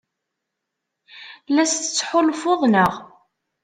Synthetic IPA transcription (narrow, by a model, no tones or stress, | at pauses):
læst̪ət͡sːħolfoðˤnəʁ